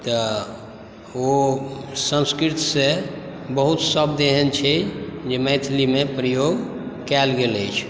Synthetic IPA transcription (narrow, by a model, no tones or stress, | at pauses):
t̪ə | o | sə̃nskɾit̪sebəɦut̪səbd̪eɦɛnt͡ʃʰɛd͡ʒeməjt̪ʰlimepɾəjoɡ | kɛlɡeləjt͡ʃʰ